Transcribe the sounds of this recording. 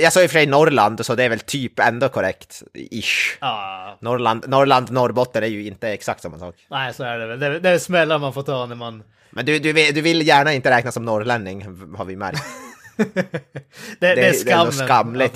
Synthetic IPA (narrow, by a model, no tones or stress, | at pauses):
jɛsoːjɪfœʂɛɪnɔɾland̪sɔd̪ɛæɾʋɛlt̪ʰyːpɛ̰nd̪ɔkʰɔɾɛ̰kt̪ɪʂ | nɔɾɭand̪nɔɾɭand̪nɔɾbɔt̪ːənæɾjʉɪnt̪əɛksa̰k̚t̪sɔmːɑnsɑ̰ːknæɪsoæɖɛɛld̪ɛd̪ɛsmɛlːaɾmanfoːt̪ʰɑːnəmɑn | mɛnd̪ʉd̪ʉvɪd̪ʉʋɪljæːɳaɪnt̪əɾɛːknasɔmnɔɾɭɛnd̪ɪŋha̰ɾʋɪmæ̰ɾkt̪ | d̪ɛdɛɛæsd̪ɛɛɔskɑmːlɪt̪ː